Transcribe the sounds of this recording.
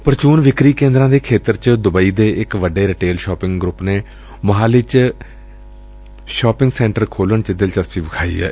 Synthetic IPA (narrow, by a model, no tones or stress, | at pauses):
pəɾt͡ʃuːnʋɪkɾiːkẽːnd̪ɾãːd̪eːkʰeːt̪əɾt͡ʃd̪ʊbaːiːd̪eːʔɪkʋəɖeːɾɪʈeːlʃɔːpɪ̃ŋɡɡɾʊpneː | məɦaːlɪt͡ʃ | ʃaːpɪŋɡsɛ̃ːɳʈəɾkʰoːləɳt͡ʃəd̪ɪlt͡ʃəst͡ʃiːbəkʰaːḭːɛ̰ː